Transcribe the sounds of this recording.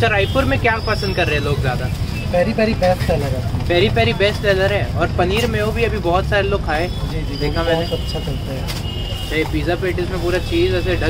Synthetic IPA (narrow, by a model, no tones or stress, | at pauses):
t͡ʃʰaɾaːɪpʊɾmẽkjaːpɐsə̃nd̪̚kɐɾːeɦɛ̃loːɡzjaːd̪a | pɛːɾipɛːɾibɛːsʈɛːləɾɦɛpɛːɾipɛːɾibɛːsʈɛːləɾɦɛːɔːɾpɐniːɾmẽobʱiɐbʱibɔːt̪saːɾeloːɡ̚kʰaːẽː | d͡ʒiːd͡ʒid̪eːkʰãmɛ̃ːneɐʃʰasɐlt̪aɦɛ | eːpiːzapeːʈɪsmẽpuːɾat͡ʃiːzɛːseɖɐ